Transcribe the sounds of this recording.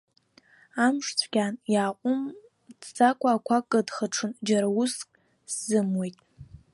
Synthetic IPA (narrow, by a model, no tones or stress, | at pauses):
amʂt͡sʷʰɡʲanjaːqʷʼʊm | dd͡zakʷʰʼaːkʷʰakʼɨdχəʈ͡ʂʰɨnd͡ʒaɾawuskʼ | szɨmwejtʼ